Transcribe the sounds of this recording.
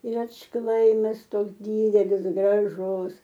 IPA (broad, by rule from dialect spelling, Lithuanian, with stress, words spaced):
ɪr ɐtʃˈklˠɐɪmɐs ˈtoːks ˈdʲiːdʲɛlʲɪs ɡrɐˈʒʊs